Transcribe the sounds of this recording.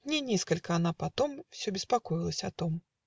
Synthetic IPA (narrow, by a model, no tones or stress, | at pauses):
nʲɛnʲɛskɐlʲkɐanapat̪ɔmwsʲɔbʲɛspakɔjilˠɐsʲɐat̪ɔm